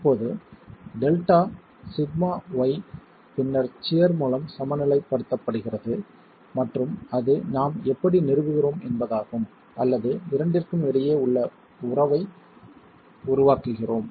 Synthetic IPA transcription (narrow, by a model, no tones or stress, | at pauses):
ɪpːoːðɯɖɛlʈaː | sɪd̪maːʋɐɪ | pɪnːɐɾt͡ʃɪjɐɾmuːlɐmsɐmɐnɪlɐɪpːɐɽɯt̪ːɐpːɐɽɯɣɪrɐðɯ | mɐʈrɯmɐðɯnaːmɛpːɐɽinɪɾɯʋɯɣɪɾoːmɛnbɐðaːɣɯm | ʔɐlːɐðɯʋɪɾɐɳɖɪrkɯmɛɽɐjeːʊɭːɐ | ʊrɐʋɐɪ | ʊɾʊʋaːkɯɣɪroːm